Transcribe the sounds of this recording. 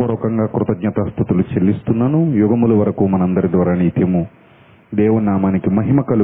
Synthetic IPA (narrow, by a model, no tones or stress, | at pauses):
ɔɾɔːkɐŋɡaːkɾut̪ɐɡɲɐt̪ɐst̪ʰut̪ulut͡ʃelːist̪unːɐnujuɡɐmulɐʋɐɾɐkumɐnɐnd̪ɐɾid̪ʋaːɾaːniit̪imu | d̪ɛːʋunaːmaːnikimɐɦimɐkɐlu